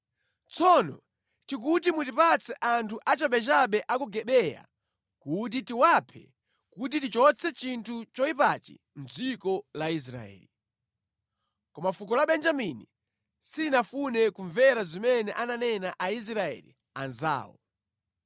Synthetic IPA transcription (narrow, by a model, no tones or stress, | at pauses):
t͡sʰɔnɔ | tik̬utimutipat͡sʰɛʔantʰuʔat͡ʃaɓɛt͡ʃaɓɛʔakuɡɛɓɛja̰ | kut̬itiwapʰɛ̰ | kutitit͡ʃɔt͡sʰɛt͡ʃintʰut͡ʃɔipat͡ʃḭ | n̩d͡zikɔlais̬ɾa̰ɛ̰ːli | kɔmafuk̬ɔlaɓɛnd͡ʒamini | silinafunɛkuɱvɛɾazimɛnɛʔananɛnaʔais̬ɾaɛ̰lḭ | anza̰ːwɔ̰